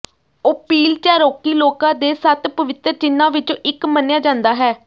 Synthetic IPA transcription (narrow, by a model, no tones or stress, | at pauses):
oːpiːlt͡ʃaːɾoːkiːloːkãːd̪eːsət̪pəʋɪt̪ɾt͡ʃɪnːãːʋɪt͡ʃoʔɪkmənejaːd͡ʒãːnd̪aːɦɛː